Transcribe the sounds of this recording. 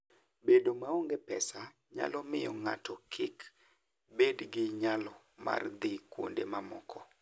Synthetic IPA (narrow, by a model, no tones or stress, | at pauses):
bedomaoŋɡepɛsa | ɲa̰lɔmɪjɔŋa̰tɔkʰɪk | bedɡɪɲalɔ | ma̰rd̪ikwo̰ndemamɔkʰɔ